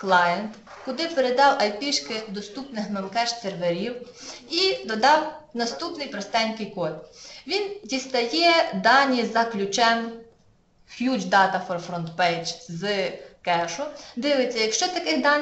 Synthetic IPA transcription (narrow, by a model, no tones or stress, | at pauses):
klˠɑjent̪ | kʊd̪ɪpeɾed̪ɑwɐjpʲiʃkɪd̪ɔst̪upnɪxmelˠkɛʃt̪serʋeɾʲiwid̪ɔd̪ɑwnɐst̪upnɪjpɾɔst̪ɛnʲkɪjkɔt̪ʋʲindʲist̪ɐjɛd̪ɑnʲizɐklʲʊt͡ʃɛm | xjʲud͡ʒd̪ɑt̪ɐfɔrfɾɔnt̪pɛjt͡ʃzɨkɛʃʊd̪ɪʋɪt͡sʲːɐjɐkʃt͡ʃɔt̪ɐkɪxd̪ɑnʲ